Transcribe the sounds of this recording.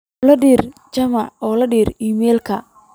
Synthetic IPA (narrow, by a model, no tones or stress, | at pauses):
lɐɖiːrt͡ʃɐmɑʕɔːlɐɖiːriːmɛːlkʰɐ